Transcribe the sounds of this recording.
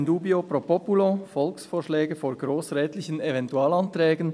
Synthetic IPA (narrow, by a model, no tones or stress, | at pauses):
nduːbiopʁopɔpulofɔlksfoːʃlɛːɡəfoːɐɡɾoːsʁɛːtlɪçənevɛntuaːlɑntʁɛːɡən̩